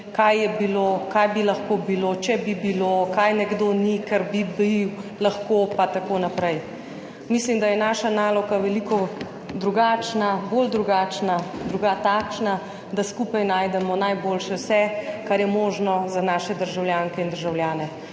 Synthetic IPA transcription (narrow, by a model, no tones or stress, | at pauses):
kajːɛbiloːkajbilɐxkobiloːt͡ʃɛbibilokaːjnɛɡd̪onikaɾbibilaxkopat̪akoːnapɾɛj | mislimd̪ajɛnaːʃanaːlɔɡaʋɛlikɔ | d̪ɾuɡaːt͡ʃnabold̪ɾuɡaːt͡ʃnad̪ɾuɡat̪akʃna | d̪askuːpajnaːjd̪ɛmɔnajboːlʃɛwsɛkaɾjɛmoːʒnɔzanaːʃɛd̪əɾʒawljaːŋkɛind̪əɾʒawljaːnɛ